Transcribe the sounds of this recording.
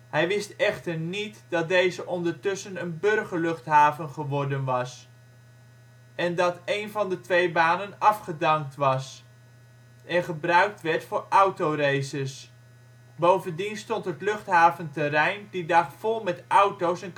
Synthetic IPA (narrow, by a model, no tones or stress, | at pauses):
ɦɛjʋɪstɛχtəɹnitdɑt̚dejzəʔɔndəɹtɵsənənbɵrχəɹlɵχtɦaːvənχəʋɔɹdənʋɑs | ɛndɑtejnvɑndətʋejbaːnənɑfχədɑŋk̚tʋɑs | ʔɛnχəbrœɥk̚tʋɛɹtfʊːɹʌwtowrejsəs | bowvəndinstɔntɦətlɵχtɦaːvəntɛɾɛjndidɑχfɔlˠmɛtʌwtowsɛn